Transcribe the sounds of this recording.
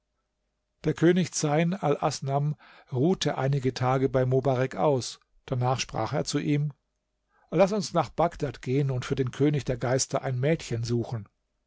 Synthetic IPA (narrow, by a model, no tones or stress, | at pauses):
d̥eːɐkʰøːnɪçt͡saɪnalʔa̰snam | ʁuːtʰəʔaɪnɪɡətʰaːɡəbaɪmobaʁɛkʔa̰ʊs | d̥anaːχʃpʁ̥a̰ːχeːɐt͡suʔiːm | lasʊnsnaːχb̥aɡd̥atɡ̥eːənʊntfyːɐdeːnkʰøːnɪçd̥eːɐɡaɪstɐʔaɪnmɛːtçənzuːxn̩